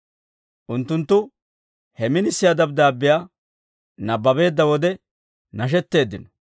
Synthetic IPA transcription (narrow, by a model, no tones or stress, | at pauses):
ʔʊnt̪ːʊnt̪ːʊ | hɛmɪnɪsːɪjad̪ɐb̚d̪aːbːɪjaː | nɐbːɐbe̞ːd̪ːɐwɔd̪ɛ | nɐʃ̬ɛt̪ːe̞ːd̪ːɪnɔ